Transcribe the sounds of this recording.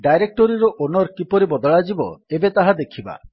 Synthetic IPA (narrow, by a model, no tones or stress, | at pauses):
ɖajɾek̚ʈɔɾiɾɔʔonɔɾkipɔɾibɔd̪ɔɭad͡ʒibɔ̰ebet̪aɦad̪ekʰiba̰